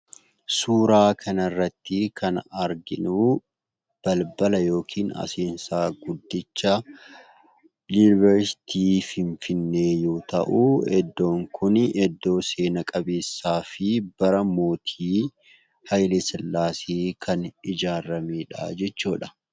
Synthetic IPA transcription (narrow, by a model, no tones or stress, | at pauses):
suːɾaːkʰɐnɐrːɐt̪ːɪkʰɐnɐɾɡɪnuː | b̥ɐlbɐlɐjo̞ːkʰiːnɐ̰seːnsaːɡʊd̪ːɪt͡ʃːɐ | lunɪvɛɾsɪ̥t̪ʰiːfɪɱfɪnːe̞ːjoːt̪ɐ̰ʔuɛd̪ːo̞ːŋkʰʊnɛd̪ːo̞ːse̞ːnɐkʼɐbeːsːaːfɪb̥ɐɾɐmo̞ːt̪ʰiː | hɐjlɪsɛlːaːsiːkʰɐnɪd͡ʒaːɾɐmeːᶑa̰ːd͡ʒɛt͡ʃːuːᶑɐ̥